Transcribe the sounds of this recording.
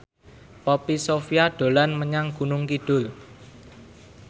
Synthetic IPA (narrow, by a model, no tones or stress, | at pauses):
pɔpisofiaɖ̪̥o̤lanməɲaŋɡ̥ṳnʊŋkiɖ̥ʊl